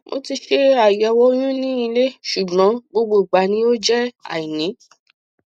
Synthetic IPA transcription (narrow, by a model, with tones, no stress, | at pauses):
mʔo̰˧ti˧ʃe˦a˨jɛ˨˦wɔ˦j̃ũ˦nĩ˦i˧le˦ʃu˨ɡ͡bɔ̃˨˦ɡ͡bo˧ɡ͡bo˦˨ɡ͡ba˨˦nĩ˦o˦d͡ʒɛ˦a̰˨i˨nĩ˨˦